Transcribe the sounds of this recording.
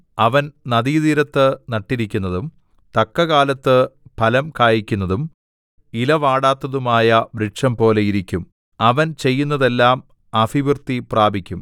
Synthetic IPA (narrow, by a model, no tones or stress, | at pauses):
ɐʋɐnnɐðiːðiɾɐt̪ːɨnɐʈːiɾikʲːunːɐðum | t̪ɐkːɐɣaːlɐt̪ːɨpɐlɐmkaːjikʲːunːɐðum | ilɐʋaːɽaːt̪ːɐðumaːjɐʋɾiʈʂɐmpo̞ːle̞jiɾikʲːum | ɐʋɐnt͡ɕe̞jːun̪ːɐðe̞lːaːm | ɐfiʋirt̪ipraːbʱikʲːum